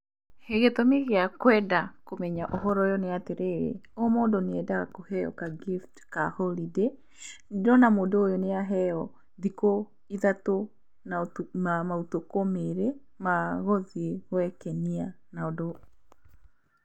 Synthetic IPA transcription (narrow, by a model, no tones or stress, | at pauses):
heɣetomeɣeakwɛdakomɛɲaʔoɦɔɾɔjɔneateɾeɾḛomɔːdoneɛdaɣakohɛɔ̰kaɡiftkaholide | dɔnamoːdooːjoneaɦɛɔ | ðiko | iðato | naamautokomeɾe | maɣɔðiɣwɛkɛnia | naodo